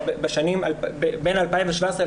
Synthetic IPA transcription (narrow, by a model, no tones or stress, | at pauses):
beʃanimalbebenalpaimveʃvaesʁe